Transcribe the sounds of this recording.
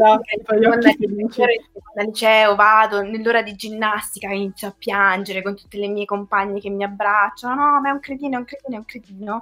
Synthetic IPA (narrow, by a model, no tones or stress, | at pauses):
aɛjkand̪at͡ʃoɾikond̪alit͡ʃɛːovaːd̪onelːoːɾad̪id͡ʒinːast̪ikainit̪sːjoapːjand͡ʒeɾekont̪u̥t̪ːelemiːjkompaɲːekemːiabːɾat͡ʃːanonɔmaɛuŋkɾed̪iːnoɛuŋkɾed̪iːnoɛuŋkɾed̪iːno